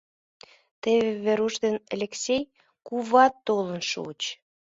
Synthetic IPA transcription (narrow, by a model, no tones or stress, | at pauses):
t̪eβeβeɾuʃd̪enelʲeksʲej | kuβɑt̪ːolənʃṵt͡ɕ